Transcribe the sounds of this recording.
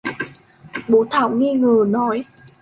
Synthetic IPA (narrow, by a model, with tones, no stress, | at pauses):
ɓo˨˦t̪ʰaː˨˧˩wŋi˧ŋəː˨˩nɔ˨˦j